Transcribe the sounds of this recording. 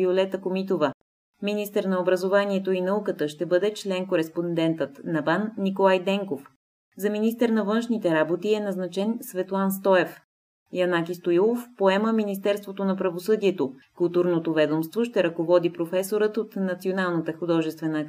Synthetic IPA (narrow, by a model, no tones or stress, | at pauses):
iolɛt̪əkomit̪ovə | minist̪əɾnɐobɾəzovaniɛt̪oinɐukət̪əʃt̪ɛbɤd̪ɛt͡ʃlɛnkoɾɛspond̪ɛnt̪ət̪nɐbanːikolˠajd̪ɛŋkof | zɐminist̪əɾnɐvɤnʃnit̪ɛɾabot̪iɛnɐznɐt͡ʃɛnsvɛt̪lˠanst̪ɔɛf | jɐnakist̪ojlˠofpoɛməminist̪ɛɾst̪vot̪onɐpɾɐvosɤd̪iɛt̪okʊlˠt̪uɾnot̪ovɛd̪omst̪voʃt̪ɛɾɐkovɔd̪ipɾofɛsoɾət̪ot̪nɐt̪sionalˠnət̪əxod̪ɔʒɛst̪vɛnə